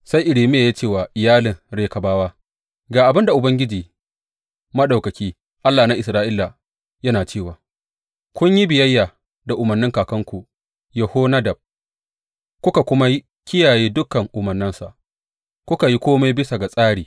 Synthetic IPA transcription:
sa˦jʔɪ˨ɽiː˨mɪ˦ja˨je˦t͡ʃeː˦˨waː˨ʔɪ˨jaː˦lɪ˨ŋɾeː˨kɐ˨baː˦waː˦ | ɡaː˨ʔa˨bɪ˦nda˨ʔʊ˨bɐ˦ŋɡʲɪ˦d͡ʒiː˨ | mɐ˦ɗa˨wkɐ˨kʲiː˦ | ʔa˦lːaː˨na˦ʔɪ˨sɾaː˦ʔɪ˦lːa˨ | jɐ˦naː˨t͡ʃeː˦˨waː˨ | kʷʊ˦ɲji˦bɪ˨jɐ˦jːaː˨ | da˨ʔʊ˨mɐ˨rnːɪ˦ŋkaː˨kɐ˦ŋkʷu˨ʔ | jɐ˨hoː˦na˦dɐ˨b̚ | kʷʊ˦ka˨kʷʊ˦ma˦ji˦ | kʲɪ˦jaː˨jeː˦dʊ˦kːɐ˨ŋʔʊ˨mɐ˨nɪ˦nsa̰˨ʔ | kʷʊ˦ka˨ji˦kʷoː˦ma˦bɪ˦sa˨ɡa˨sʼaː˦ɽiː˨

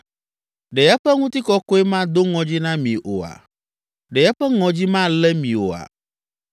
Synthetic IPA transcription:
ɖe˨ja˦ɸɛ˦ŋũ˦t̪i˦kɔ˦kɔ˦ɛ˦mã˦d̪o˦ŋɔ̃˨d͡ʑi˦nã˦mĩ˨ʔo˨a̰˨ | ɖe˨ja˦ɸɛ˦ŋɔ̃˨d͡ʑi˦mã˦lɛ˦mĩ˨wo˨a̰˨

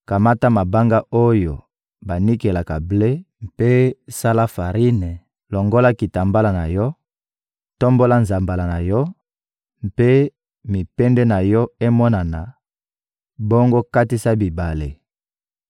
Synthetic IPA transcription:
ka˨ma˦ta˦ma˨ba˦ŋɡa˦o˦jo˨ | ba˨ni˦ke˨la˨ka˨ble˦ | mpe˦sa˦la˦fa˨ʁi˦ne˨ | lo˨ŋɡo˦la˦ki˨ta˨mba˦la˨na˨jɔ˦ | to˦mbo˦la˦nza˨mba˨la˨na˨jɔ˦ | mpe˦ | mi˨pɛ˦ndɛ˦na˨jɔ˦e˦mɔ˦na˨na˨ | bo˦ŋɡo˦ka˦ti˦sa˦bi˨ba˨le˨

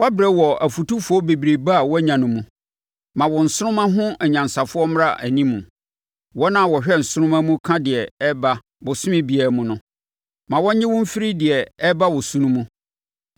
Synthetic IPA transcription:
wa˦bɾɛ˦wɔ˨æ˨fu˨tu˦fʊ˨˦ɔ˦be˨bi˨ɾe˨ba˦˨wɔ˦ɲã˨nʊ̃˨mũ˨ | mã˨wɔ˨n̩˨sʊ˦ɾʊ̃˦mã˦ɦʊ̃˦ɛ˨ɲã˨n˨sa˨fʊ˦ɔ˦m˦ɾa˦˨ʔæ˨nĩ˦mːũ˨ | wɔ˦nã˦˨wɔ˨ɕᶣɛ˦n̩˨sʊ˦ɾʊ̃˦mã˦mũ˦kʰã˦dɪ˨ɛ˨ɛ˦ba˦ | bʊ˨sʊ˦mɪ̃˦bi˨ɛ˨mʊ̃˨nʊ̃˦ | mã˨wɔ˦ɲɪ̃˦wʊ̃˦m̩˦fi˦ɾi˦dɪ˨ɛ˨ɛ˦ba˦wɔ˨sũ˦nũ˦mũ˦

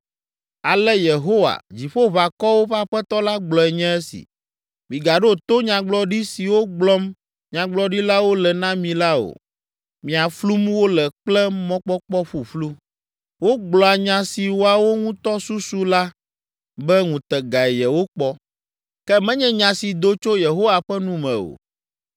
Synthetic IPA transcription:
a˨lɛ˦je˨ɦo˦wa̰˨d͡ʑi˨ɸo˦βa˨kɔ˦wo˦ɸa˦ɸɛ˦t̪ɔ˦la˦ɡ͡blɔ˨ɛ˨ɲɛ̃˦ɛ˦sḭ˨ | mĩ˨ɡa˨ɖo˦˨t̪o˦ɲã˨ɡ͡blɔ˦ɖi˦si˨wo˦ɡ͡blɔ˦m | ɲã˨ɡ͡blɔ˦ɖi˦la˦wo˦lɛ˨nã˦mĩ˨la˦o̰˨ | mĩ˨a˨flu˦mwo˦lɛ˨k͡plɛ˦mɔ̃˦k͡pɔ˦k͡pɔ˦ɸu˨flu˦ | wo˦ɡ͡blɔ˨a˨ɲã˨si˨wo˦a˨wo˦ŋũ˦t̪ɔ˦su˦su˦la˦ | bɛ˦ŋũ˨t̪ɛ˨ɡa˨ɛ˨jɛ˨wo˦k͡pɔ˦ | kɛ˦mɛ̃˦ɲɛ̃˦ɲã˨si˨d̪o˦t͡ʃo˦je˨ɦo˦wa˨ɸɛ˦nũ˦mɛ̰̃˨o̰˨

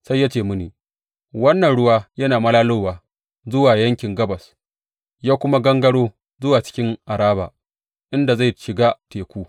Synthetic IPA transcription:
sa˦jːa˦t͡ʃeː˦˨mʊ˦niː˨ | wɐ˦nːɐ˨nɽʊ˦waː˦jɐ˦naː˨mɐ˦laː˦loː˦waː˨ | zʊ˦waː˨jɐ˦ŋkʲɪ˨ŋɡɐ˦bɐ˨s | jaː˦kʷʊ˦ma˦ɡɐ˦ŋɡɐ˦ɽoː˦ | zʊ˦waː˨t͡ʃɪ̥˦kʲɪ˦ŋʔa˨ɾaː˦ba̰ː˨ | ʔɪ˦nda˨za˦˨jʃɪ˨ɡaː˦teː˨kʷuː˦

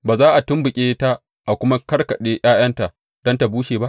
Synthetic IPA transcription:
baː˨zaː˦ʔa˨tʊ˦mbʊ˨kʲʼeː˦ta˦ | ʔa˨kʷʊ˦ma˦kɐ˦rkɐ˨ɗeː˦j̰aː˦jɐ˦nta˨ | d̥ɔ˦nta˨buː˦ʃeː˨ba˦ʔ

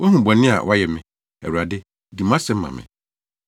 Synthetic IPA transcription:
wʔɔ˦ɦũ˨bɔ̃˨nɪ̃˦a̰˨wʔa˦jɛ˨mɪ̃˨ | ɛ̰˨wu˨ɾa˨dɪ˦ | di˨mã˦sɛ̃˨˦m˦mːã̰˨mɪ̰̃˨

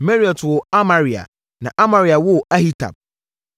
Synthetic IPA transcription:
mɛ˦ɾi˦˨ɔ˨twʊ˨a˦mã˨ɾi˨a̰˨ | nã˨ʔa˦mã˨ɾi˨a˨wʊ˦˨a˦hi˦tʰa̰˨b̚

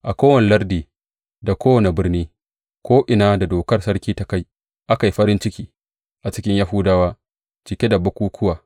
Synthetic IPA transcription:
ʔa˨kʷoː˦wɐ˨ne˨lɐ˦rdiː˨ | da˨kʰʷoː˦wɐ˨ne˨bɪ˦rniː˦ | kʷoː˦ʔɪ˨naː˦da˨doː˨kɐ˦rsɐ˦rkʲiː˦ta˨ka˦˨j | ʔa˦ka˨jɸɐ˦ɾɪ˦nt͡ʃɪ˦kʲiː˨ | ʔa˨t͡ʃɪ˦kʲɪ˦ɲja˦ɦuː˦daː˦waː˦ | t͡ʃɪ˨kʲe˦da˨bɐ˦kʷuː˦kʰʷʊ˦waː˨

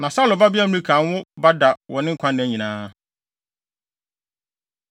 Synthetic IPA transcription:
nã˨sa˦lʊ˨ba˦bɪ˦a˦mɪ̃˦ɾĩ˦kʰãː˨˦n˦wʊ˦ba˦da˨wʔɔ˨nɪ̃˦ŋ̩˦kʷʰã˦nːɪ̃˨æ˨ɲĩ˨nãː˦

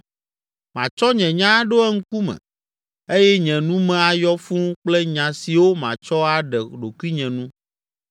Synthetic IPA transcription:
mã̰˨t͡ʃɔ˦ɲɛ̃˨ɲã˦ɖo˦ɛ˦ŋ̩˦ku˦mɛ̰̃˨ | e˦jɛ˦ɲɛ̃˨nũ˦mɛ̃˨a˨jɔ˦fũ˦k͡plɛ˦ɲã˨si˨wo˦mã̰˨t͡ʃɔ˦a˨ɖɛ˨ɖo˨kwi˦ɲɛ̃˨nũ˦

